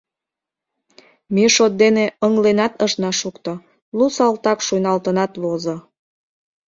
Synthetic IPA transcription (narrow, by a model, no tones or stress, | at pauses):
miʃot̪̚d̪eneəŋlenɑt̪əʃnɑʃukt̪o | lusɑlt̪ɑkʃujnɑlt̪ənɑt̪βozo